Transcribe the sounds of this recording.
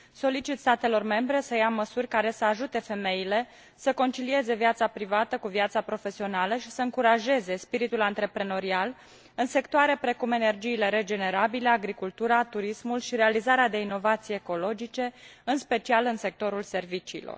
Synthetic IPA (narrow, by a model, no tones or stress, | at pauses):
so̞lit͡ʃit̪st̪at̪e̞lo̞rme̞mbɾe̞səjaməsurʲkaɾe̞səaʒut̪e̞fe̞me̞ile̞ | səko̞nt͡ʃilie̞ze̞vijat̪sapɾivat̪əkuviat̪sapɾo̞fe̞sio̞naləʃi̥səɨŋkuɾaʒe̞ze̞spiɾit̪ulant̪ɾe̞pɾe̞no̞ɾial | ɨnse̞kt̪oaɾe̞pɾe̞kume̞ne̞rd͡ʒiːle̞ɾe̞d͡ʒe̞ne̞ɾabile̞aɡɾikult̪uɾat̪uɾismulʃiɾe̞alizaɾead̪e̞ino̞vat̪sijeːko̞lo̞d͡ʒit͡ʃe̞ɨnspe̞t͡ʃialɨnse̞k̚t̪o̞ɾulse̞rvit͡ʃiːlo̰r